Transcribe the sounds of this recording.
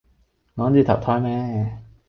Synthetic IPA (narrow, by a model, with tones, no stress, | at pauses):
ŋɔː˨˥t͡ɕyː˨˧t̪ʰɐ˨˩wt̪ʰɔː˧˥jmɛː˦˥